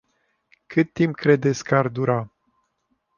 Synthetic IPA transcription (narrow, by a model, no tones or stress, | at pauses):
kʰɨt̪ːimpkɾe̞d̪et̪sʲkəard̪uɾa